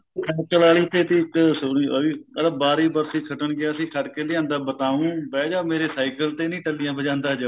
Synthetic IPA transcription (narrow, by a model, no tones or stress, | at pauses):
ɛt͡ʃəlaːɭiːt̪ʰeːt̪ːksʊɽiːəiːəlabaːɾiːbəɾsiːkʰəʈənɡɪaːəsĩːkʰəʈkeːlɪãːnd̪aːbət̪aːũːbɛːd͡ʒaːmeːɾeːsaːɪkəlt̪eːnĩːʈəlɪjãːbəd͡ʒãːnd̪aːd͡ʒa